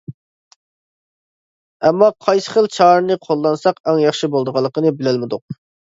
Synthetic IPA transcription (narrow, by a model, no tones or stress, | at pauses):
ɛmːɑqʰɑjsə̥χəlˠt͡ʃʰɑɾnɨqʰolˠːɑnsɑqɛŋjɑχʃibolˠd̪əʁɑlˠːəqənɨbɪlælmɪd̪ʊq̚